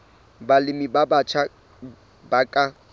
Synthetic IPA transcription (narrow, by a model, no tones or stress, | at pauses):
balɪmibabat͡ʃʰa | bakʼa